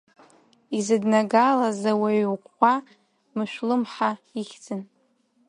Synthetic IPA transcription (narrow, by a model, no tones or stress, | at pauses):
izɨdnaɡalazaweqʷːa | mɨʃʷᶣlɨmħaiχʲd͡zʰɨn